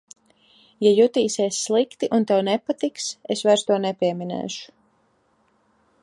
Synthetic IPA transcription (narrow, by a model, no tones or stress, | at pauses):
jajut̪iːsiɛsʲːlˠikt̪iʔunt̪ɛwnɛpat̪iksesvajɾst̪uɔnɛpʲiɛminɛ̰ːʃu̥